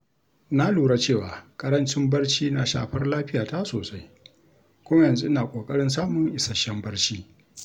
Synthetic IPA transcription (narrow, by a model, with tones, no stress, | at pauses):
na˦luː˨ɽa˦t͡ʃeː˦˨waː˨kʼɐ˦ɾɐ˦nt͡ʃɪ˦mbɐ˦rt͡ʃiː˦na˦ʃa̰ː˨ɸɐ˦rlaː˦ɸɪ˦jaː˨ta˦soː˨sa˦j | kʷʊ˦mɐ˦jɐ˨nzu˦ʔɪ˦naː˨kʷʼoː˨kʼɐ˦ɽɪ˦nsaː˦mʊ˨ŋʔɪ˨sɐ˨ʃɛ˦mbɐ˦rt͡ʃiː˦